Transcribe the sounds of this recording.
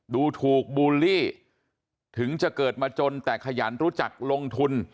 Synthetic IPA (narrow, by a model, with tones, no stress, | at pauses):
duː˧t̪ʰuː˨˩k̚buː˧liː˥˩ | t̪ʰɯ˩˦ŋt͡ɕa˨˩kɤː˨˩t̪̚maː˧t͡ɕo˧nt̪ɛː˨˩kʰa˧jaː˩˦nɾu˦˥t͡ɕa˨˩k̚lo˧ŋt̪ʰu˧n